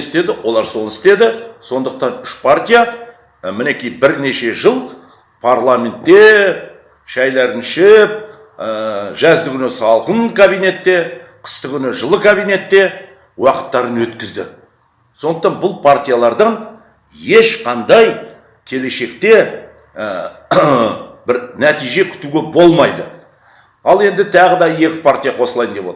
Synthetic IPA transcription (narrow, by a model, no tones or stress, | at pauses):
st̪e̞d̪ɪwo̞lˠɑɾso̞nɪst̪e̞d̪ɪso̞nd̪əq̚t̪ɑnʏʃpʰart̪ʲija | mɪne̞kʲijbɪɾne̞ʃe̞ʒəlˠ | pʰarlˠamʲe̞nt̪ːe̞ | ʃæjlɑɾənʃɪp̚ | ʒæzd̪ɪkʰʲʏnɪsɑlˠqəɴkʰabijne̞t̪ːe̞qʰə̥st̪əkʲʰʏnɪʒəlˠəkʰabijne̞t̪ːe̞ | wɑqə̥t̪ːɑɾənwɵt̪kʲɪzd̪ɪ̰ | sond̪ə̥qt̪ɑnbʊlˠpʰaɾt̪ʲijalˠɑɾd̪əɴ | je̞ʃqʰɑnd̪ɑj | kʲʰe̞le̞ʃe̞kt̪e̞ | bɪɾnæt̪ijʒe̞kʲʰʏ̥t̪uɡʲe̞bo̞lˠmɑjd̪ə | ɑlˠe̞nd̪ɪt̪ʰɑʁəd̪ɑje̞kʲɪ̥pʰaɾt̪ʲijaqʰo̞səlˠɑjənd̪e̞pwot̪ɾ